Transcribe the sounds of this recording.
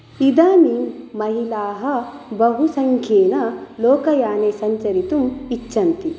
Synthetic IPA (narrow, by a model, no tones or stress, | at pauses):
id̪aːnimɐɦilaːɦɐbɐɦusɐŋkʰjeːnɐlɔːkɐjaːneːsɐɲt͡ʃɐɾit̪umit͡ʃːɐnt̪i